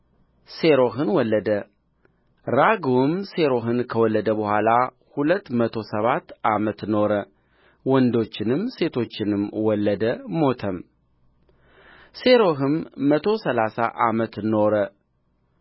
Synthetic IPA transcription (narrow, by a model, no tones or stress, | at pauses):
se̞ɾo̞ɦɨnwɔlːəd̪ə | ɾaɡumse̞ɾo̞ɦɨnkʰəwɔlːəd̪əbəhʷala | hulət̪ːmət̪ʰo̞səβat̪ːʔamət̪no̞ɾə | wɔnd̪o̞t͡ʃːɪnɨmse̞t̪ʰo̞t͡ʃːɪnɨmwɔlːəd̪əmo̞t̪ʰəm | se̞ɾo̞ɦɨmːət̪ʰo̞səlasa̰ʔamət̪no̞ɾə